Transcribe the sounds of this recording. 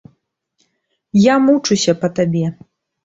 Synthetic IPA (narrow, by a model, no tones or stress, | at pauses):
jamut͡ʂusʲɐpɐt̪abʲɛ